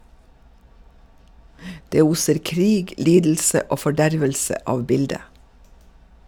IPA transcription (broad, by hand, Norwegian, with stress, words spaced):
ˈdeː ˈuːsəɾ ˈkɾiːɡ ˈliːdl̩sə ˈoː fɔˈɖæɾʋəlsə ˈʔɑːʋ ˈbɪldə